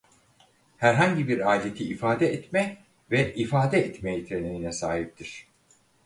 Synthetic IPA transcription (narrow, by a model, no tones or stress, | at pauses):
hæɾɦaɲɟibiɾaːlʲet̪ʰiːfaːd̪ɛɛt̪mɛ | vɛʔifaːd̪ɛɛt̪mejit̪ʰɾeneɾinɛsaːhip̚t̪ʰiɾ̝̥